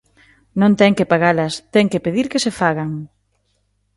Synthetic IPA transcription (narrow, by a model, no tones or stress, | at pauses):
nõnt̪ɛŋkepaɣalɐst̪ɛŋkepeðiɾkesefaɣaŋ